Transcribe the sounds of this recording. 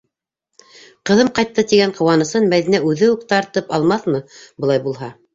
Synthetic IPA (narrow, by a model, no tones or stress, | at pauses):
qɤ̆ðɤmqɑjt̪ːɤt̪iɡæɴqŏwɑnɤ̆sɤnmæðinæʉðɘʉkt̪ɑɾt̪ɤpɑlˠmɑθmɤbɤ̆ɑjbulˠɦɑ